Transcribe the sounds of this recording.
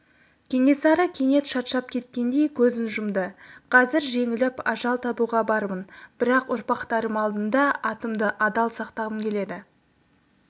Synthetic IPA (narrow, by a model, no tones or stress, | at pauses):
kʲʰe̞ŋe̞sɑɾəkʲʰe̞ŋe̞t̪ʃɑt̪ʃɑp̚kʲʰe̞t̪kʲe̞nd̪e̞jkʲʰɵzɪnʒʊmd̪əqʰɑzɪɾʒe̞ŋɪlɪpɑʒɑlˠt̪ʰɑbuʁɑbɑɾmənb̥ɪɾɑqʊɾpɑqt̪ɑɾəmɑlˠd̪ənd̪ɑɑt̪əmd̪əʔɑd̪ɑlˠsɑqt̪ɑʁəmkʲʰe̞le̞d̪ɪ